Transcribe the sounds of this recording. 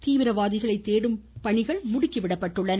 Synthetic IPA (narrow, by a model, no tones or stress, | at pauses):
t̪iːʋɪɾɐʋaːðɪɣɐɭɐɪt̪ːeːɽɯmpɐɳɪɣɐɭmʊɽɪkːɪʋɪɽɐpːɐʈːɯɭːɐn